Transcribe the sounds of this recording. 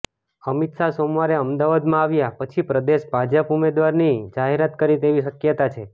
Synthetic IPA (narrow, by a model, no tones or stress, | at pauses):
əmit̪sasomʋaɾeəmd̪aʋad̪mãaʋjapət͡ʃʰipɾəd̪eʃbʱad͡ʒəpumed̪ʋaɾnid͡ʒaɦeɾat̪kəɾit̪eʋiʃəkjət̪at͡ʃʰe